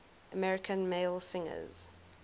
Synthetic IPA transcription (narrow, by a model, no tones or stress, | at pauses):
əmɛɹɪkʰə̃nmeɪlˠsɪ̃ŋə̰z̥